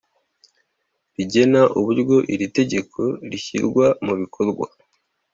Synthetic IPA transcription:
ɾiɟe̞naʔuβuɾɡo̞ʔiɾite̞ɟe̞kʰo̞ɾiçḭɾɡwamuβikʰo̞ɾɡwa̰

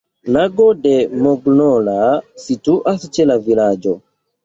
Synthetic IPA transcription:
naɡɔdɛmɔɡnɔlasituʔasit͡ʃɛlavilad͡ʒɔ

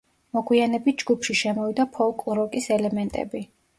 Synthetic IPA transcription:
mɔɡwianɛbit̪̚d͡ʒɡupʰʃiʃɛmɔvid̪apʰɔkʼˠɾɔkʼisɛlɛmɛnt̪ʼɛ̰bi

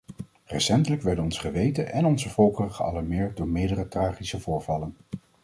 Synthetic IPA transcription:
rɛsɛntələkʋɛɹdənɔnsχəʋejtənʔɛnɔnzəvɔlˠkərəχəɑ̰lɑɹmɪːɹt̚dʊːɹmɪːdərətraːχisəvʊːɹvɑlən

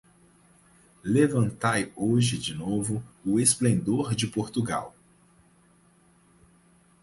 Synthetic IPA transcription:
levɐ̃nt̪ajoʒɪd͡ʒɪnovʊʊesplẽnd̪oɾd͡ʒɪpoɾt̪uɡa̰w

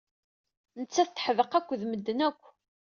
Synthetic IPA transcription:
nət͡sːæθt̪ːħəvəqækʷːðməd̪ːənækʷː

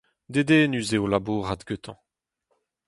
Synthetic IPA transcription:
d̪ed̪eːnyzeolabuːʁad̪ɡøt̪ʰɑ̃

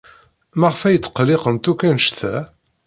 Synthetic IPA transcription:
mæʁəfæjt͡sːə̥qːlɪqənt̪ukːænʃθæ

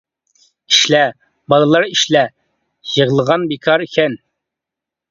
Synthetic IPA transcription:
iʃlɛ | bɑlˠɨlˠɑɾiʃlɛ | jəʁəlˠəʁɑnbikʰɑɾikʲʰɛn

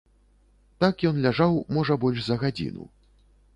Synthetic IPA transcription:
t̪akjɔnlʲaʐawmɔʐɐbɔlʲʂzɐɣad͡zʲḭnṵ

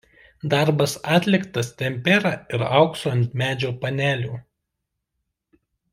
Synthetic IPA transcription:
d̪ɑˑɾbɐsɑːt̪ʲlʲɪkt̪ɐst̪ʲɛmʲpʲɛɾɑːɪɾɑʊksoːnʲt̪ʲmʲæːd͡ʒʲoːpɐnʲæːlʲuː

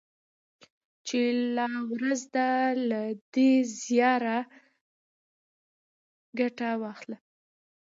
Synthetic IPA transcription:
t͡ʃelawɾazd̪alad̪ezjɑɾa | ɡaʈawɑxla

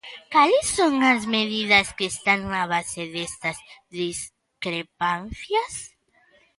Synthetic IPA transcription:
kalesːoŋazmeðiðaskeːst̪aŋaβaseðest̪azðis | kɾepanθjas

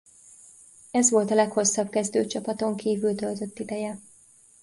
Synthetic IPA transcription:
ɛzʋo̞lt̪ɒlɛkho̞sːɒb̚kɛzd̪ø̰ːt͡ʃɒpɒt̪o̞ŋkiːvylt̪ø̞lt̪ø̞t̪ːid̪ɛjɛ

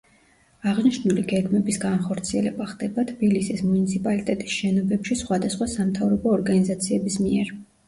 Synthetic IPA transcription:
aʁniʃnuliɡɛɡmɛbisɡanχɔɾt̪sʰiɛlɛbaχd̪ɛbat̪ʰb̥ilisismunit̪sʰipʼalit̪ʼɛt̪ʼi̥sʃɛnɔbɛpʃisχwad̪asχwasamt̪ʰavɾɔbɔːɾɡanizat̪sʰiɛbismiɛɾ

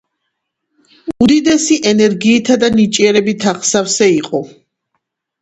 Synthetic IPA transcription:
ud̪id̪ɛsiʔɛnɛɾɡiːt̪ʰad̪anit͡ʃʼiɛɾɛbit̪ʰaχsafsɛiqʼɔ

